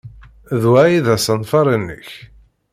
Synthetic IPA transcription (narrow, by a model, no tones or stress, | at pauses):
ðwæjiðæsənfɑɾˤənːə̰ç